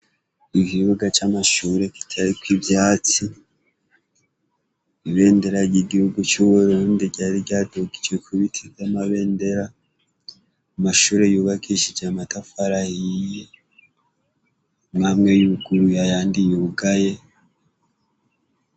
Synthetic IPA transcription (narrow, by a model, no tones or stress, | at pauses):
ikiβuɡat͡ʃamaʃuɾe̞ki̥tʰaɾikwivjaːt͡si | iβe̞ːnde̞ɾajiɡihuɡut͡ʃuβuɾuːndiɟaɾiɟaːdoɡid͡ʒɡekʰuβitʰiamaβe̞ːnde̞ɾa | amaʃuːɾe̞juːβakʰiʃid͡ʒamatafaɾahije | mamŋe̞juɡuɾujajaːndijuɡaje̞